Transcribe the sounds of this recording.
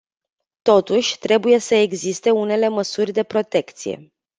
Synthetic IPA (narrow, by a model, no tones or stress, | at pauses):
t̪o̞t̪uʃʲt̪ɾe̞buje̞səeɡzist̪e̞une̞le̞məsurʲd̪e̞pɾo̞t̪e̞kt̪sije̞̰